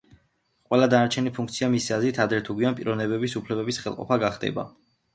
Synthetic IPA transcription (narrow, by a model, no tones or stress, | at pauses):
qʼwɛlˠad̪anaɾt͡ʃʰɛnipʰuŋk̚ʰt̪sʰiamisiazɾit̪ʰad̪ɾɛt̪ʰuɡwianpʼiɾʔɔvnɛbɛbisupʰlɛbɛbisχɛlˠqʼɔ̰pʰaɡaχd̪ɛ̰ba̰